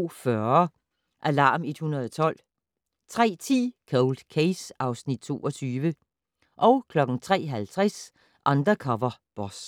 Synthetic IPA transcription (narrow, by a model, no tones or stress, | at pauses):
fɶɐ | ʔælɑ̈ːme̝d̥hunɐðˠɒt͡sʰɒ̽l̰ | t͡sʰʁɛ̰ːt͡sʰḭːkʰoʊld̥kʰesɑ̈ʊsnid̥̚t͡sʰo̝ːɒt͡sʰyːʋə | ʔɒ̽ʊkʰlɒ̽ɡ̥n̩t͡sʰʁɛ̰ːɦælt͡sʰʁɛs | ʔɑ̈nd̥ʁɐkʰɒʋɐb̥ɒs